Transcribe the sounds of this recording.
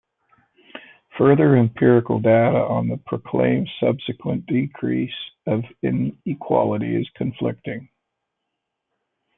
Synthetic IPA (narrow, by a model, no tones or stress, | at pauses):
fɜ˞ðə˞ɨ̃mpʰɪɹɨkl̩ˠdeɪɾə̰ʔə̃nðəpʰɹ̥okʰl̥ḛ̃ɪ̃m̥sʌ̰b̥sɨkʰwɨ̃nd̥ikʰɹ̥isʌvɪ̰̃nikʰw̥ɑ̰lˠəɾḭɨ̰z̥kʰɨ̃ɱflɪ̰k̚tɪ̃ŋ